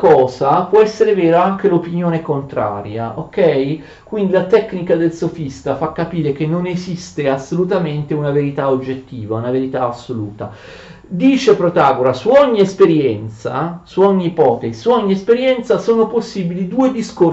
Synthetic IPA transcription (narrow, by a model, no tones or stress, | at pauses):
kɔːzapwɔɛsːeɾevɛːɾaaŋk̟elopinjoːnekont̪ɾa̰ːɾja̰ʔokɛj | kwind̪ilat̪ɛkːnikad̪elsofist̪afakːapiːɾek̟enːonezist̪easːolut̪ament̪eunaveɾit̪aod͡ʒːet̪ːiːvaunaveɾit̪aːsːoluːt̪a | d̪iːt͡ʃepɾot̪aːɡoɾasuɔɲːiespeɾjɛnt̪sa̰suɔɲːiːpɔt̪eisuɔɲːiespeɾjɛnt̪sasoːnoposːiːbilid̪uːed̪isko